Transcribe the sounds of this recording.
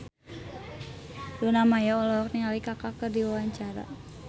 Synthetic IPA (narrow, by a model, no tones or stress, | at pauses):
dunamajaɔlɔɔk̚niŋalikakakərdiwawaɲt͡ʃaɾa̰